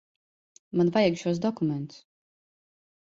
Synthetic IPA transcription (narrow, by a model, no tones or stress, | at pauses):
manvajɛɡʃuɔsd̪ɔkumɛnt̪s